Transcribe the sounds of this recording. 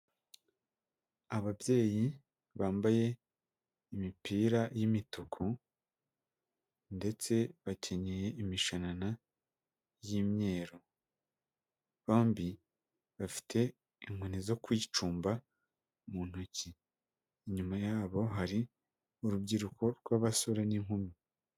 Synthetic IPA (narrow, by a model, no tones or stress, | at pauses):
aβabje̞ːji | βaːmbaje̞ | imipiːɾajimitokʰo | nde̞t͡se̞βace̞ɲeje̞ʔimiʃanana | jimɲe̞ːɾo | βoːmbi | βafi̥tʰe̞ | iŋunizo̞kwiːt͡ʃuːmba | muːn̥uciː | ɲumajaːβo̞ɦaɾi | uɾubɟiɾukʰo̞ɾɡwaβasoɾe̞niŋ̥humi